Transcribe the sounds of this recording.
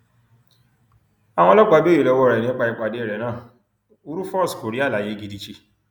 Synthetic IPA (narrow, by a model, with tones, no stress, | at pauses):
a˨w̃ɔ̃˧˦lɔ˦ɡ͡ba˧˦bi˦i˨lɔ˧wɔ˧˦˨ɾɛ˨nĩ˦k͡pa˧i˧k͡pa˨de˨˦˨ɾɛ˨nãː˦˨ | u˦ɾu˦fɔ˦ɾɔ˦sko˨ɾi˦a˦˨la˨je˨˦ɡi˧di˧t͡ʃi˧